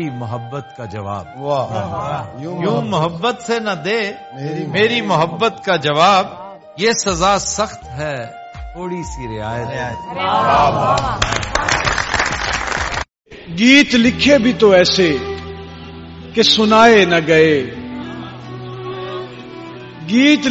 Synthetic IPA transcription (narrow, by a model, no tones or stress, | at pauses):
imʊɦəbːət̪kad͡ʒɐʋa̰ːb̚ | jũːmʊɦəbːət̪senɐd̪eː | meːɾimʊɦəbːət̪kad͡ʒɐʋaːb | jesɐzaːsɐxt̪ɦɛː | tʰoːɽisiɾɪaːjət̪ːt̪aː | ɡiːt̪lɪkʰebʱit̪oɛːse | kesʊnaːenɐɡɐeː | ɡiːt̪